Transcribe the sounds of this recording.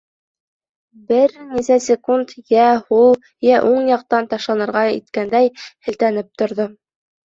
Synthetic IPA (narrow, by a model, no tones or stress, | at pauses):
bɘɾnisæsʲɪkunt̪jæhulˠ | jæʔuɴjɑq̚t̪ɑnt̪ɑʃlˠɑnɤ̆ɾʁɑḭt̪kænd̪æjhɘ̆lt̪ænɘp̚t̪ŏɾðo